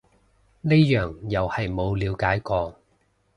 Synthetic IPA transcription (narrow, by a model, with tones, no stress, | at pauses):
ne˥jœː˨˩ŋjɐ˨whɐ˨jmo˨˧wliː˨˧wkaː˨˥jkɔː˧